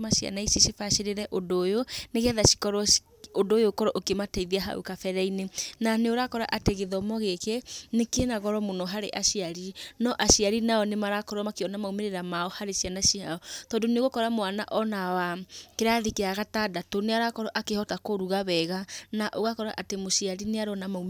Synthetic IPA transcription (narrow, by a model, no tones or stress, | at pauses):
maʃia̰naisiʃifaʃeɾeɾɛʔodojoneɣɛðaʃi̥kɔɾɔ | ondojokɔɾɔʔokematɛiðiaɦa̰ṵkafɛɾɛinenaneoɾakɔɾa̰ʔateɣeðɔmɔɣekenekenaɣɔɾɔmonɔɦaɾeʔaʃiaɾinɔʔaʃiaɾinaɔnemaɾakɔɾɔmakeɔnamaumeɾeɾamaɔhaɾeʃianaʃiaɔtɔːndoneɣokɔɾamoanaʔɔnawakeɾaðikeaɣatadatoneaɾakɔɾɔʔakehɔtakoɾuɣaβɛɣanaʔoɣakɔɾaʔatemoʃiaɾineaɾɔnamaum